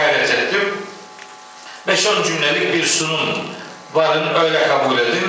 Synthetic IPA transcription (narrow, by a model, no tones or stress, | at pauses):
ad̪ɛt͡ʃ̪ɛt̪ʰːim | vɛʃond͡ʒynːelʲic̚biɾsunun | vaɾɯnø̞jlʲɛkʰabulʲed̪im